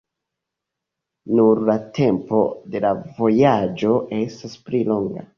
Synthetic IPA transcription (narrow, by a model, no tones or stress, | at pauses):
nuɾlatʰe̞mpo̞de̞lavo̞jad͡ʒo̞ʔe̞stasplilo̞ŋɡa̰